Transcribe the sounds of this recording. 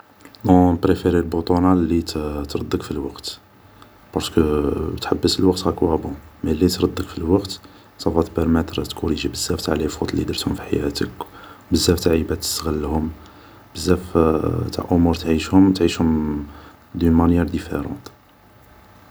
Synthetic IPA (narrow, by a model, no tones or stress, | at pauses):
d̪ɔ̃pɾefeɾelbut̪ˤunɑlit̪ɾˤɑd̪ːəkfilwɑqt̪ | pɑɾskət̪ħabːəsəlwɑqt̪hækwæbõmælːit̪ɾˤɑd̪ːəkfilwɑqt̪ | sɑfɑt̪pəɾmɛt̪ɾt̪kʰuɾiʒbəzːæft̪aʕlifut̪ˤlid̪əɾt̪hʊmfiħa̰jæ̰t̪ə̰kbəzːæft̪aʕibæt̪ə̥st̪ɣəlːhʊm | bəzːæft̪a̰ʕʔʊmuɾt̪ʕiʃhʊmt̪ʕiʃhʊm | d̪ynmænjɛɾd̪ifḛɾɑ̰̃t̪